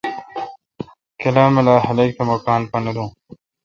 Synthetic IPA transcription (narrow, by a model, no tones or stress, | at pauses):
kɐlaːmelaːɦɐlek̚t̪ʰɐmokaːnpɐnɐd̪ũː